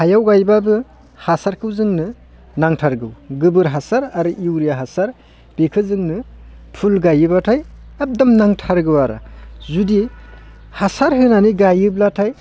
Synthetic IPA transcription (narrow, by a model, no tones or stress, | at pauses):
hajawɡajbabɯ | hasaɾkʰɯwzɯŋnɯ | naŋtʰaɾɡɯwɡɯbɯɾɦasaɾaɾɯʔiwɾijaɦasaɾ | b̥ekʰɯzɯŋnɯpʰulɡajɯbatʰajab̚damnaŋtʰaɾɡɯwaɾa̰zudi | hasaɾɦɯnaniɡajɯblatʰaj